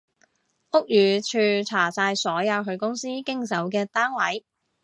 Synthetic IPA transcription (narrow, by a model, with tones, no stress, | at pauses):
ʔʊ˥k̚jyː˨˩t͡ʃʰyː˧t͡sʰaː˨˩saː˧jsɔː˨˥jɐ˨˧wɦɵ˧ɥkʊ˥ŋsiː˥kɪ˥ŋsɐ˨˥wk̬ɛː˧t̪aː˥nwɐ˨˥j